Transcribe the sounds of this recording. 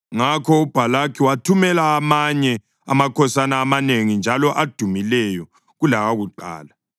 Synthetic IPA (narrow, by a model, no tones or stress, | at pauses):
ŋakʰɔub̥ʱalakʰiwatʰumɛlaːmaɲɛ | a̰makʰɔsanaːmaneŋind͡ʒʱalɔʔad̥ʱumilɛjɔ | ɣulaɣaɣuǃa̰ːla